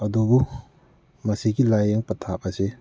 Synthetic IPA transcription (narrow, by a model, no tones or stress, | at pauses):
ɐdubu | mɐsiɡilajeŋpɐtʰapase